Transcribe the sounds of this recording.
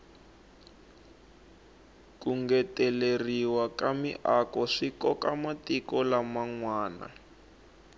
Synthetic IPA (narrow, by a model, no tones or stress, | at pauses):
kuŋɡɛtɛleriwakamḭʔakɔʂikɔkamatikɔlamaŋwaːna̰